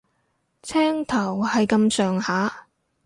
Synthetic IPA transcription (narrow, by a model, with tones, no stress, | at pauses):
t͡sʰɛː˥ŋt̪ʰɐ˨˩whɐ˨jkɐ˧msœː˨ŋhaː˨˥